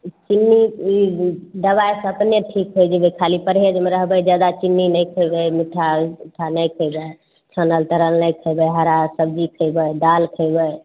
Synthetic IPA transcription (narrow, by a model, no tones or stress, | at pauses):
t͡ʃinːiiɖəbajsə̃əpneʈʰikɦojd͡ʒəbəkʰalipəɾɦed͡ʒmeɾəɦbəjd͡ʒad̪at͡ʃinːinəjkʰəjbəmiʈʰaʈʰanəjkʰəjbə | t͡ʃʰənəlt̪əɾəlnəjkʰəjbəjɦaɾasəb̚d͡ʒikʰəjbəɖ̪alkʰəjbəj